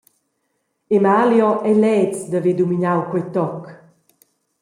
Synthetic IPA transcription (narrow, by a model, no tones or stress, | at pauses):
emaljɔʔɛlɛt͡sd̪aved̪umiɲawkwɛt̪ɔk